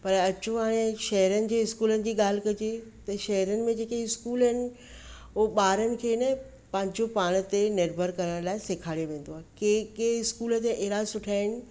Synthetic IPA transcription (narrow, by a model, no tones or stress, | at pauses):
pɐɾɐt͡ɕõɦaːɽ̃ẽʃɐɦəɾənɪ̆d͡ʑeːɪskuːlənɪ̆d͡ʑiːɠaːl̤kɐd͡ʑet̪ɐʃɐɦəɾənɪ̆mẽd͡ʑeːkeɪskuːlənɪ̆ | ʊɦoɓaːɾənɪ̆kʰeːnɐ | pɐ̃ɦɪ̃ɲd͡ʑopaːɽ̃̆t̪eneɾbʱəɾkɐɾəɽ̃laːɪseːkʰaːɽjoʋẽːnd̪oaːekekeɪskuːlə̆t̪eʔeːɾasʊʈʰaːɪñɪ̆